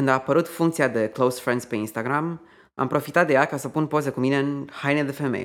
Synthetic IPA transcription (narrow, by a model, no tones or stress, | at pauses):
ɨnd̪aːpəɾut̪fuŋkt̪siad̪e̞klowsfɾend̪speinst̪aɡɾam | a̰mpɾo̞fit̪at̪̚d̪e̞jakasəpunpo̞ze̞kumine̞ɨnhajned̪efemḛj